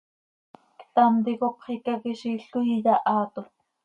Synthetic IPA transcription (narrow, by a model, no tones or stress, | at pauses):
kt̪ant̪ikopχikakiʃiɬujijaʔɑːt̪o